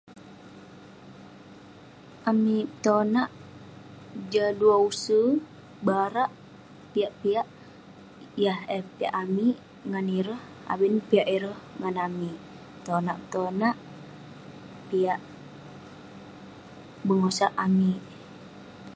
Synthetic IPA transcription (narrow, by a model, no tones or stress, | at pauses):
amit̪onaʔ | d͡ʒaduausə | baɾaʔ | piaʔpiaʔ | jahɛpiaʔami | ŋaniɾəh | a̰wənpiaʔiɾəhŋanami | t̪onaʔpt̪onaʔ | piaʔ | bəŋosaʔami